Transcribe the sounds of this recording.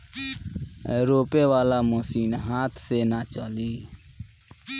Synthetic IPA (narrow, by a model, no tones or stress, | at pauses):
ɾoːpeːʋaːlaːmoːsiːnɦaːt̪ʰseːnaːt͡ʃɔːliː